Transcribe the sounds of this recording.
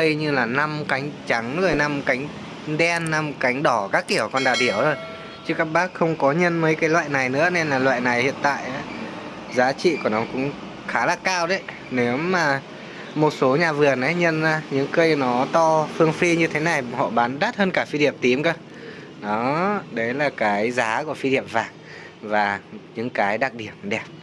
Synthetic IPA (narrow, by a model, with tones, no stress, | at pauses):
kə˧jɲɨ˧laː˨˩na˧mka˨˦jŋ̟t͡ɕa˨˦ŋzo˨˩jna˧mka˨˦jŋ̟ | ɗɛ˧nːa˧mka˨˦jŋ̟ɗɔ˧˩kaː˦˥kːi˧˩əwkɔ˧nɗaː˨˩ɗi˧˩əwzo˨˩j | t͡ɕɨ˦˥kaː˦˥k̚ɓaː˦˥k̚xə˧wŋ͡mkɔ˨˦ɲə˧nmə˨˦jkaː˨˦jlwa̰ː˧˨jna˨˩jnɨ̰˧˥əne˧nlaː˨˩lwa̰ː˧˨jna˨˩jhḭ˧˨ənt̪a̰ː˧˨jʔaː˨˦ | zaː˨˦t͡ɕḭ˧˨ku˧˩ənɔ˨˦kʊ̰˧˥ŋ͡m | xaː˨˦laː˧˩kaː˧wɗə˨˦j | ne˨˦wmaː˨˩ | mo˨˩t̚so˨˦ɲaː˨˩vɨ˨˩əna˨˦jɲə˧naː˨˦ɲɨ̰˧˥ŋkə˧jnɔ˨˦t̪ɔ˧fɨ˧əŋfi˧ɲɨ˧t̪ʰe˨˦na˨˩jhɔ̰˧˨ɓaː˨˦nɗaː˦˥t̚həː˧nkaː˧˩fi˧ɗi˧˩əmt̪i˨˦mkəː˧ | ɗɔ˨˦ɗə˨˦jlaː˨˩kaː˨˦jzaː˨˦ku˧˩əfi˧ɗi˧˩əmvaː˨˩ŋ | vaː˨˩ɲɨ̰˧˥ŋkaː˨˦jɗaː˨˩k̚ɗi˧˩əm̚ɗɛ˨˩p̚